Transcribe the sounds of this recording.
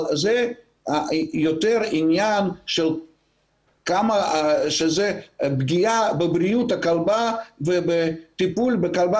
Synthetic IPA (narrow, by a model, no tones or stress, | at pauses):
zɛ | ajot̪ɛɾinjanʃel | kamaʃezɛbɡʲijabebɾijut̪akalbavebet̪ipulbekalba